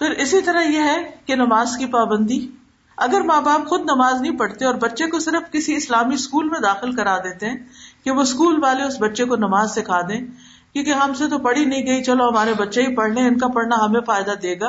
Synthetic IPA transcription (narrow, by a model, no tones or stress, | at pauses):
pʰɪɾɪsit̪ɐɾaɦjeɦɛkenɐmaːzkipaːbə̃nd̪i | ɐɡəɾmaːbaːpxʊd̪nɐmaːznɐɦĩpɐɽt̪eɔːɾbɐtːʃekosɪɾəfkɪsiɪslaːmiɪskuːlmẽd̪aːxɪlkɐɾaːd̪eːt̪eɦɛ̃ːkeʋoɪskuːlʋaːleʊsbɐtːʃekonɐmaːzsekʰaːd̪ẽː | kjũːkeɦɐmset̪opɐɽinɐɦĩɡɐit͡ʃɐloɦɐmaːɾebɐtːʃeipɐɽ̤lẽɪnkapɐɽnaɦɐmẽfaːɪd̪ad̪eːɡaː